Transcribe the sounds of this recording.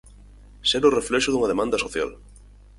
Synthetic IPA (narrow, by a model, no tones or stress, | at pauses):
sɛɾoreflɛʃʊðuŋaðemãnd̪ɐsoθja̰l